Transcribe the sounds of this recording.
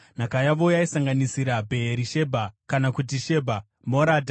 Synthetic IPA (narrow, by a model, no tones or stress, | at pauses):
n̤akajaʋo̞jaisaŋɡanisiɾabʱe̞ːɾiʃe̞bʱakanakut̬iʃe̞bʱa | moɾaːdʱa